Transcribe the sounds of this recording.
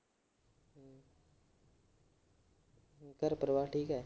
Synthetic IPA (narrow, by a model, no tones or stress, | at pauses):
kəɾpəɾəʋaːʈʰiːkɦɛː